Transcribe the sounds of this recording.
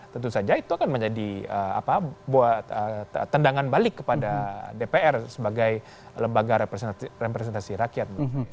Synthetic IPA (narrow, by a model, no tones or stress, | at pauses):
t̪ənt̪usad͡ʒait̪uakanməɲd͡ʒadiəa̰pabuaət̪əndaŋanbalɪkːəpadadepeɛrsəbaɡaj | ləmbaɡarepɾesɛnt̪asiɾakijat̪̚